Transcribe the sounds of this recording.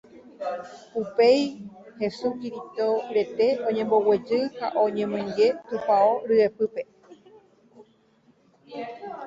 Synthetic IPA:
upe̞j | he̞sukiɾit̪oɾe̞t̪e̞õ̞ɲẽ̞mbo̞we̞d͡ʒɨha̰ʔoɲẽmɨ̃ɲd͡ʒe̞t̪upaoɾɨepɨpe̞

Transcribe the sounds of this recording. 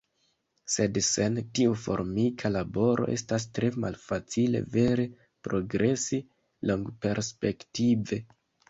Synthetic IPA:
se̞dse̞ntiufo̞̰ɾmikʰalabo̞ɾʔo̞ʔe̞̰stas̬tɾe̞malfat͡sile̞̰ve̞ɾe̞ | pɾo̞ɡɾe̞si | lo̞ŋɡpe̞ɾspe̞ktive̞

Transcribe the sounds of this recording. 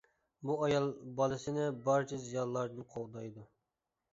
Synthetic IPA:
buɑjɑlˠbɑlˠɨsɪnɪbɑɾt͡ʃʰɛzijɑlˠːɑɾd̪ɨnqʰold̪ɑjd̪u

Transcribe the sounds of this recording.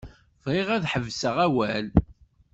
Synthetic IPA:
vʁɪʁæðħəvsəʁæwæl

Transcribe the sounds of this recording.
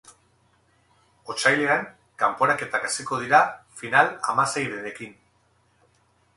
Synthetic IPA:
o̞t͡ʃajleaŋ | kampo̞ɾake̞t̪akasiko̞ð̞iɾafinala̰mase̞jðene̞kin

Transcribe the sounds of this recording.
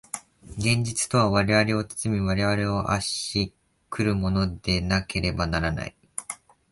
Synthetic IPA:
ɡẽ̞ɲ̟d͡ʑit͡sɨ̥t̪o̞β̞aβaɾe̞β̞aɾe̞o̞t͡sɨ̥t͡sɨmʲiβaɾe̞βaɾe̞o̞ʔa̰ɕi | kʰɯ̟ɾɯ̟mo̞no̞d̪e̞nake̞ɾe̞banaɾana̰i

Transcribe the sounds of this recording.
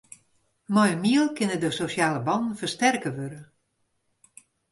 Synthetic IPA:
mɔjəmiəlˠkɪnədəsosjaːləbɑnn̩fərstɛrkəʋøɾə

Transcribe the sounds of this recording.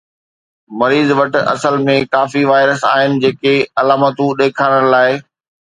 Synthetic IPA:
mɐɾiːzʋɐʈ̆ɐ̰səlmẽkaːfiʋaːɪɾəsa̰ːɦɪnɪ̆d͡ʑeːkeɐlaːmət̪ũɗeːkʰaːɽ̃ə̃ɽ̃laːɪ

